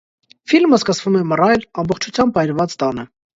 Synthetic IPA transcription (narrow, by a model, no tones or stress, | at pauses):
filməskəsvumɛmərɑjlɑmbɔχt͡ʃʰut͡sʰjɑmbɑjɾvɑt͡st̪ɑnə